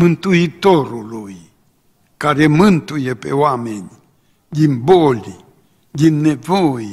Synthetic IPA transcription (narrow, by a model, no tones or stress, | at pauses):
mɨ̃nt̪uit̪oɾului | kaɾemɨ̃nt̪ujepḛwameɲi | jimboli | jinevoi